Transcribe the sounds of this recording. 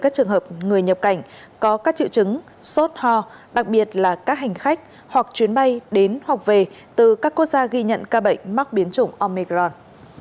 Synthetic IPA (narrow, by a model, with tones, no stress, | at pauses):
kaː˦˥k̚t͡ɕɨ˨˩əŋɦəː˨˩p̚ŋɨ˨˩əjɲə˨˩p̚ka˧˩jŋ̟ | kɔ˨˦kaː˦˥k̚t͡ɕḭ˧˨wt͡ɕɨ˨˦ŋ | so˦˥t̚hɔ˧ɗa˨˩k̚ɓi˨˩ət̚laː˨˩kaː˦˥k̚ɦa˨˩jŋ̟xa˦˥jk̟̚ | hwa˨˩k̚t͡ɕwi˨˦ənɓa˧jɗe˨˦nhwa˨˩wk͡p̚ve˨˩ | t̪ɨ˨˩kaː˦˥kːu˦˥k̚zaː˧ɣi˧ɲə̰˧˨nkaː˧ɓə̰˧˨jŋ̟ma˦˥k̚ɓi˨˦ənt͡ɕʊ˨˧˩ŋ͡mʔɔ˧mi˧kzɔ˧n